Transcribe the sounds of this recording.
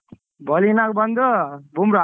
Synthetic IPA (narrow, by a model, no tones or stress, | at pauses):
bʌlinakobʌnd̪ʌbʱumɾa